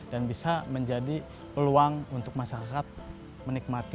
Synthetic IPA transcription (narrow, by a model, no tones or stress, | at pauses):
danbisaməɲd͡ʒadi | pəluaŋunt̪ʊk̚masaɾakat̪̚ | mənik̚mat̪i